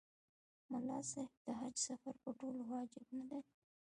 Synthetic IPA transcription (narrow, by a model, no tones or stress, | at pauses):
mʊlɑsɑhɪb̚d̪əɦad͡ʒsafaɾpəʈolowɑd͡ʒɪbnad̪a